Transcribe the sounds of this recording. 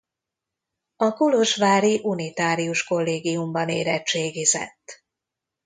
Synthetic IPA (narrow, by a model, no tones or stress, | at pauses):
ɒkuloʃʋaːɾiʔunit̪aːɾiuʃko̞lːeːɡiumbɒneːɾɛt͡ʃeːɡizɛ̰t̪ː